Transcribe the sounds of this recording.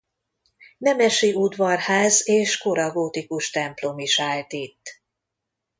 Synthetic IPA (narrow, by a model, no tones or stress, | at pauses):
nɛmɛʃiud̪vɒrhaːzeːʃkoɾɒɡoːt̪ikuʃt̪ɛmplo̞miʃaːlt̪it̪ː